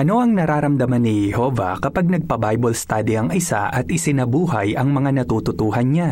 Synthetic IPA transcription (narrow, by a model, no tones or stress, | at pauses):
ʔɐno̞ʔɐŋnɐɾaːɾɐmd̪ɐmanːɪhɛhoːvɐ̰kɐpaɡ̚nɐɡ̚pɐbajbolst̪aːd̪ɪɐŋɪsa̰ʔɐt̪ʔɪsɪnɐbuːhɐjɐŋmɐŋanɐt̪ut̪ʊt̪uːhɐnɲa